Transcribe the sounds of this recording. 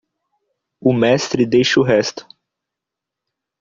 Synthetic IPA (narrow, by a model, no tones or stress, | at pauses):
ʊmɛst̪ɾɪd̪ejʃʊɦɛst̪ʊ̥